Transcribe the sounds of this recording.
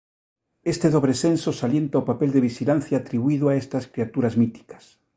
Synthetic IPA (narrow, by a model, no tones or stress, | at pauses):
est̪eðoβɾesensosaljent̪aopapeld̪eβ̞iʃilan̟θjaːt̪ɾiβuiðoaest̪askɾiat̪uɾazmit̪i̥kḁs